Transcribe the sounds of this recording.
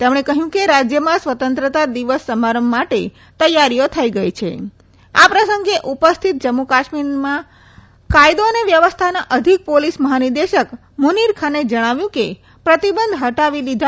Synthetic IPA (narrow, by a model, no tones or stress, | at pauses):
t̪emɽ̃ekəɦjũkeɾad͡ʒjəmãsʋət̪ənt̪ɾət̪ad̪iʋəsːəmaɾəmbːaʈe | t̪əjaɾijot̪ʰəiɡəjt͡ʃʰḛ | a̰pɾəsəŋɡeʔupəst̪ʰit̪̚d͡ʒəmːukaʃmiɾmã | kajd̪oəneʋjəʋəst̪ʰanaʔəd̪ʱik̚polisməɦaniɾd̪eʃək | muniɾkʰaned͡ʒəɽ̃aʋjũke | pɾət̪ibənd̪ʱɦəʈaʋilid̪ʱa